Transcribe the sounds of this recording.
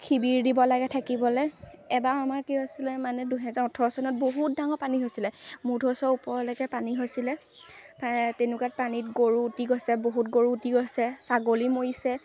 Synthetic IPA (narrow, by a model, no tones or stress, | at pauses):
kʰibiɹdibɔlaɡɛtʰakibɔlɔɛbaamaɹkiɦosilɛmanɛduɦɛzaɹɔtʰɔɹɔsɔnɔt̚boɦut̚daŋɔɹpaniɦojsilɛmudʱɔsɔupɔɹɔlɔɡɛpaniɦojsilɛ | patenukat̚panitɡoɹuːtiɡɔsɛboɦutɡoɹuːtiɡosɛsaɡolimojisɛ